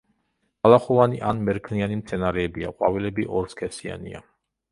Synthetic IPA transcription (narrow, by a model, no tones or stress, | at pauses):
alaχɔvaniʔanmɛɾkʰnianimt̪sʰɛnaɾɛːbiaqʼwa̰vilɛbiʔɔɾskʰɛsia̰nḭa̰